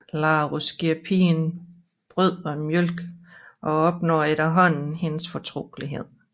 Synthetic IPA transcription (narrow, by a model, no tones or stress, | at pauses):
lɑ̈ːʁusɡ̥iɐpʰḭːn | b̥ʁyð̰ˠɒ̽mjølɡ̥ʔɒ̽ɒ̽b̥nɒ̰ːeɾɐɦɒ̽n̰n̩he̝nəsfɒ̽t͡sʰʁo̝̰ːliɦeð̰ˠ